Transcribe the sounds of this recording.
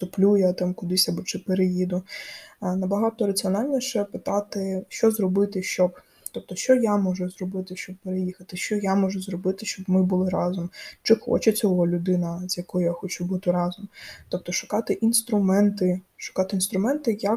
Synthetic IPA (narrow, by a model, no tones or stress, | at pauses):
t̪ʊplʲujat̪ɑmkʊd̪ɪsʲɐbɔt͡ʃɪpeɾejid̪ʊ | nɐbɐɦɑt̪ɔɾɐt͡sʲiɔnɑlʲnʲiʃɛpɪt̪ɑt̪ɪʃt͡ʃɔzrɔbɪt̪ɪʃt͡ʃɔb | t̪ɔp̚t̪ɔʃt͡ʃɔjamɔʒʊzrɔbɪt̪ɪʃt͡ʃɔb̚peɾejixɐt̪ɪʃt͡ʃɔjamɔʒʊzrɔbɪt̪ɪʃt͡ʃɔbmɪbʊlˠɪɾɑzɔmt͡ʃɪxɔ̰t͡ʃɛt͡sʲɔɦɔlʲʊd̪ɪnɐzʲjɐkɔjʊjaxɔt͡ʃubut̪ɪɾɑzɔmt̪ɔp̚t̪ɔʃʊ̥kɑt̪ɪʔinst̪ɾʊmɛnt̪ɪʃʊ̥kɑt̪ɪinst̪ɾʊmɛnt̪ɪja